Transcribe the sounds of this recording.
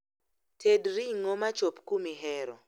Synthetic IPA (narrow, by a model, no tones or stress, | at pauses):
tʰedɾiŋɔmat͡ʃopkumiɦɛɾɔ